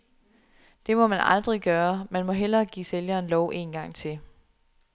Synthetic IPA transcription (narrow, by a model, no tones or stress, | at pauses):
d̥e̝mɒ̽mænɑ̈ld̥ʁiɡ̥ɶːɐmænmɒ̽ɦel̰ɐɡ̥ḭːseljɐːnlɒʊ̰ʔe̝ːnɡ̥ɑ̈ŋ̰t͡sʰe̝l